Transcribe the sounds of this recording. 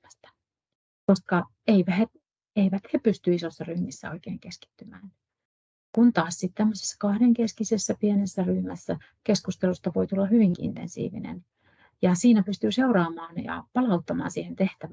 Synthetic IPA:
æst̪æ̥ | koskɑ | eiʋæhe | eiʋæt̪hepyst̪yisosːɑryhmisːæ̰o̞̰ikeːŋkeski̥t̪ːymæ̰ːn | kunt̪ɑːssit̪t̪æmːøse̥sːɑ̥kɑhɾeŋkeskisesːæpienesːæryhmæ̰sːæ | keskust̪elust̪ɑʋo̞it̪ulːɑhyʋiŋkiḭnt̪ensḭːʋḭnḛn | jɑsiːnæpyst̪yːseuɾɑːmɑːnjɑ̰pɑlɑut̪ːɑmɑ̰ːnsiːhent̪eht̪æʋ

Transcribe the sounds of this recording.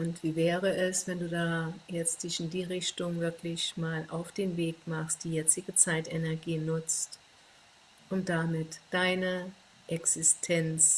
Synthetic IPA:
ʔʊntv̥iːvɛːʁəʔɛsv̥ɛnduːdaːjɛt͡st̚d̥ɪçɪndiːʁɪçtʊŋvɪɐklɪçmaːlʔa̰ʊfd̥eːnveːkmaχst̚d̥iːjɛt͡sɪɡət͡saɪtɛnɛɐɡiːnʊt͡st | ʔʊmd̥amɪtd̥aɪnə | ʔɛksɪstʰɛnt͡s

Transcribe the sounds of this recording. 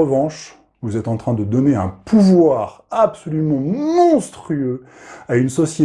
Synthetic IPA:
əvɑ̃ʃ | vuzɛt̪ɑ̃t̪χɛ̃d̪əd̪ɔneɛ̰̃pʰuvwaʁ | apsɔlymɑ̃mɔ̃st̪χyø | aynsɔsje

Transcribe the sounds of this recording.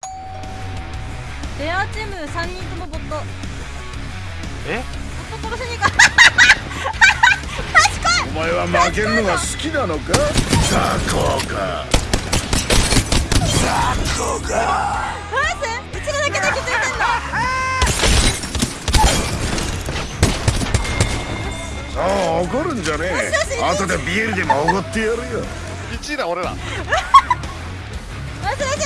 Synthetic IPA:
d̪̥eat͡ɕimɯ̟sãɲːĩkɯnobot̪ːo | e | bot̪ːot̪oɾoɕĩɲːika | t̪aɕi̥kaɲomaeβamake̞ɾɯnoɡasɨ̥kʲinano̞kakakoːka̰ | kakokasse | it͡ɕiɾaaked̪ekist̪ena | aːɡoɾɯ̟̃ɲ̟d͡ʑaneat̪od̪ebʲieɾɯd̪emaoɡot̪ːejaɾɯjo | it͡ɕiɾãoɾeɾã̰

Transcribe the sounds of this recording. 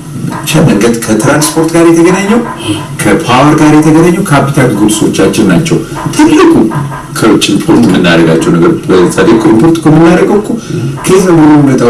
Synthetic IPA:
t͡ʃaməŋɡəd̪kʰət̪ʰɾanspʰo̞ɾt̪ɡaɾjɛt̪ʰəɡənaɲːɛw | kʰəpʰawəɾɡaɾjɛt̪ʰəɡənaɲːɛwkʰapit̪ʰakɡulso̞̰t͡ʃːat͡ʃːɪɾnat͡ʃːɛw | t̪ʰɨlːɨkʰʼu | kʰəwɨt͡ʃʼːɪpʰoɾt̪mːɨnːa̰ɾəɡat͡ʃːɛwnəɡəɾbəsʼad̪ekʰʷʼːoimpʰo̞ɾt̪kʰomɨnːaɾəɡəwkʰːukʰezəmonubət̪ʼa

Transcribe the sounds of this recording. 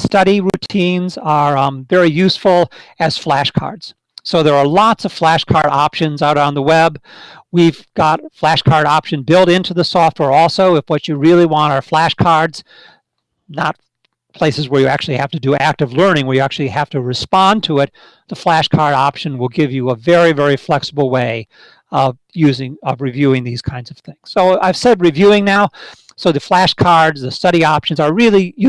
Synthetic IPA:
stʌɾiɹʉtʰĩnzə̃˞vɛɹijʉsfl̩ˠɨz̥flæʃkʰɑ̰ɹdz̥ | soʊðə˞ːlɑtsʌv̥flæʃkʰɑɹɾɑpʃɨ̃nzaʊɾãʊ̃nðəwɛbwiv̥ɡ̥ɑt̚flæʃkʰɑɹɾɑpʃɨ̃nbɪlˠɾɪ̃ntʰʉðəsɔft̚wɛɹɔlˠsoʊɨfwʌt͡ʃɨɹɪlˠiwɑ̃ñtə˞flæʃkʰɑɹdz̥ | nət̚ | pʰl̥eɪsɨzwə˞jɨæk̚t͡ʃʉl̩ˠihæftɨdɨæk̚tʌvlɜ̃˞ñɪ̃ŋwə˞jɨæk̚t͡ʃʉl̩ˠihæftɨɹɨspɑ̃ntʰəɪt̪̚ | ðəflæʃkʰɑɹɾɑpʃɨ̃nwəlˠɡɪvjɨəvɛɹivɛɹiflɛksəbl̩ˠweɪ | ʌv | jʉzɪ̃ŋʌvɹivjʉɪ̃ŋðiz̥kʰãɪ̃ndz̥ʌv̥θɪ̃ŋz̥soʊaɪv̥sɛd̚ɹivjʉɪ̃ŋnaʊ | soʊðɨflæʃkʰɑɹdzðɨstʌɾiɑpʃɨ̃n̩zə˞ɹɪlˠij

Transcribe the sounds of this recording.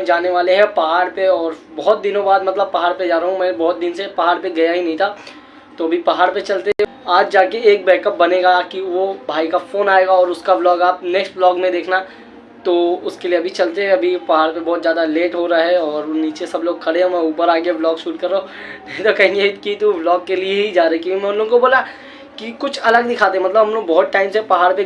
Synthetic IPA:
d͡ʒaːneʋaːleɦɛ̃pɐɦaːɾpeɔːɾbɔɦʊt̪̚d̪ɪnõbaːd̪mɐt̪ləb̚pɐɦaːɾped͡ʒaːɾɦũmɛ̃ːbɔːt̪̚d̪ɪnsepɐɦaːɾpeɡɐjaɦinɐ̃ɦĩt̪ʰa | t̪oɐbʱipɐɦaːɾpet͡ʃɐlt̪eɛ̃ | aːd͡ʒd͡ʒaːkeeːk̚bɛːkəp̚bɐneːɡakiʋobʱaːikafoːnaːeːɡaɔːɾʊskablɔːɡaːpneːksʈblɔːɡmẽd̪eːkʰna | t̪oːʊskelieɐbʱit͡ʃɐlt̪eɦɛ̃ɐbʱipɐɦaːɾpebɔːt̪zjaːd̪aleːʈɦoɾaaɦɛɔːɾniːt͡ʃesɐbloːɡ̚kʰɐɽeɦẽmɛ̃uːpəɾaːɡeblɔːɡʃuːɾkɐɾːaɦonɐɦĩt̪okɐɦɪ̃eːʈkit̪oblɔːɡkːelieɦid͡ʒaːɾɐkimʊnloːɡkoboːla | kikʊt͡ʃʰɐləɡd̪ɪkʰaːt̪̬eɦɛmɐt̪̬ləbɦɐmloːɡbɔɦʊt̪̚ʈaːɪmsepɐɦaːɾpe

